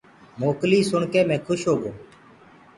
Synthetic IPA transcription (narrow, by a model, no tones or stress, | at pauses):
moːkliːsʊɳkeːmɛ̃ːkʰʊʃɦoːɡoː